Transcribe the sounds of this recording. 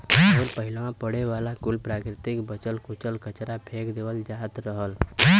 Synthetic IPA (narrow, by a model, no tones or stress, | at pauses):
ɔːɾpəɦɪlõãpəɽeʋaːlakʊlpɾaːkɾɪt̪ɪkbət͡ʃəlkʊt͡ʃəlkət͡ʃɾapʰeːkd̪eʋəld͡ʒaːt̪ɾəɦəl